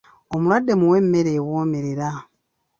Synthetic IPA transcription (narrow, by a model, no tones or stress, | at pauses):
omulwadːemuwemːeɾeːwoːmeɾeɾa